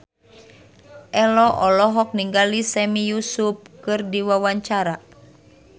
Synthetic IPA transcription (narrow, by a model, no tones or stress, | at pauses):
ʔɛlɔʔɔlɔɦɔk̚niŋɡalisɛmijusup̚kɨrdiwawaɲt͡ʃaɾa